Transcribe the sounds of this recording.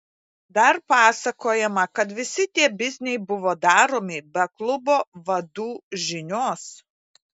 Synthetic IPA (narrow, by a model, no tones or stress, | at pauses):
d̪ɐɾpɑːsɐkoːjɛmɐkɐt̪ʋʲɪsʲɪt̪ʲiɛbʲɪzʲnʲɛjbʊʋoːd̪ɑːɾoːmʲɪbʲɛklˠʊboːʋɐd̪uːʒʲɪnʲoːs